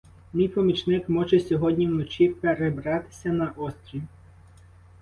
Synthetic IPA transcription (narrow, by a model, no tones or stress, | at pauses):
mʲijpɔmʲit͡ʃnɪkmɔʒɛsʲɔɦɔdʲnʲiwnɔt͡ʃʲipeɾebɾɑt̪ɪ̥sʲɐnɐʔɔsʲt̪ʲɾʲiw